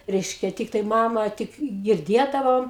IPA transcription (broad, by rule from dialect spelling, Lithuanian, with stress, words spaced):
ˈrʲɛɪʃʲkʲɛ ˈtʲɪktɐɪ ˈmɑːmɐ tʲɪk ɡʲɪrʲˈdʲiɛdɐʋoːm